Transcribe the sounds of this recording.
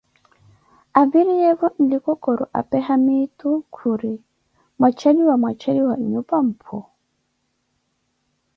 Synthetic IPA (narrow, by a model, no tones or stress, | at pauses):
aviɾijɛvɔn̩dikɔkɔɾɔ̰ʔa̰pɛɦamitukʰuɾi | mwat͡ʃaliwamat͡ʃʰaliwaiɲupam̩pʰɔ